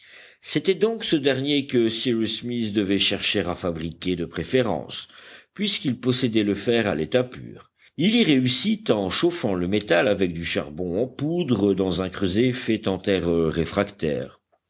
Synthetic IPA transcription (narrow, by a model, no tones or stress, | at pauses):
set̪ɛd̪ɔ̃ksəd̪ɛʁnjekəsiʁysmisd̪əvɛʃɛʁʃeʁafabʁikʲed̪əpχefeʁɑ̰̃spɥiskilpɔsed̪ɛləfɛʁa̰let̪apy̰ːʁ | iliʁeysit̪ɑ̃ʃofɑ̃ləmet̪alavɛk̚d̪yʃa̰ʁbɔ̃ɑ̃pud̪ʁəd̪ɑ̃zɛ̃kχøzefɛt̪ɑ̃t̪ɛʁəʁefχakt̪ɛ̰ːʁ